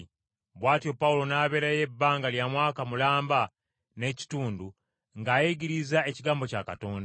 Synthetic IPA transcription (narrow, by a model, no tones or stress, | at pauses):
βwaːtjo̞paulo̞naːβe̞ːɾaje̞bːaːŋɡaljamwaːkamulaːmba | ne̞ːci̥tuːndu | ŋɡaːjeɡiɾizaeciɡaːmbo̞caka̰to̞ːnda